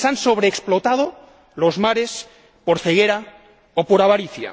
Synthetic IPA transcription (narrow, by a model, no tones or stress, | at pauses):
sanso̞β̞ɾeːksplot̪að̞o | lo̞zmaɾe̞s | poɾθe̞ɣ̞eɾa | opoɾaβaɾiθja̰